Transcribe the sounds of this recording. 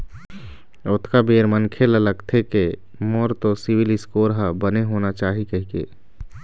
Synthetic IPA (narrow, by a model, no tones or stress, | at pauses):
ʊt̪ʰkabeːɾmənkʰelələɡt̪ʰeke | moːɾt̪osɪwɪlɪskoːɾɦabəneɦoːnat͡ʃaːɦikɐɦikḛː